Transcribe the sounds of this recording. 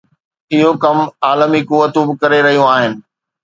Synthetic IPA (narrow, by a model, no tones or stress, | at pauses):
ɪɦokɐmaːləmikuʋːət̪ũbɪkɐɾeɾɐɦijũaːɦɪnɪ̆